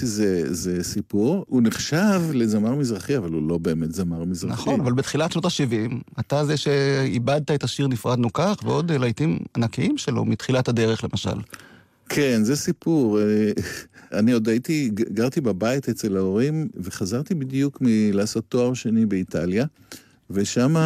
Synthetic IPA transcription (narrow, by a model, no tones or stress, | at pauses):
zezesipuʁuneχʃavlezamaʁmizʁaχiavalulo̞be̞ːmet̪zamaʁmizʁanaχonnavalbetχilatʃnotaʃivimatazeʃe̞ibad̪̚t̪aet̪aʃiʁnifʁad̪nukaχveo̞d̪elajtimanakiimʃelo̞̰mit̪χilatade̞ʁeχle̞mʔaʃa̰l | kʰenzesipuʁe | aniod̪at̪iɡaʁt̪ibabait̪et͡se̞laoʁimve̞χazaʁt̪ibid̪jukmilaːso̞t̪ːoaʁʃenibeit̪ʰalja | veʃama